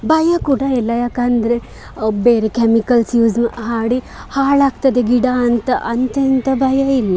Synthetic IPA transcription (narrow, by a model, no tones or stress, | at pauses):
bajakuʈaelajakand̪ɾe | beɾekɛmikɐlsjuːd͡zmɦaɽi | haɭaɡt̪ɐd̪eɡiɽaːnt̪ɐʔɐnt̪jɐnt̪ɐbajailːa